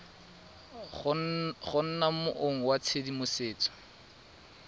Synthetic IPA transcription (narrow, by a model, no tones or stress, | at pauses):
χʊn̩namʊʔʊŋ̩wat͡sʰedimʊseːt͡sɔ̥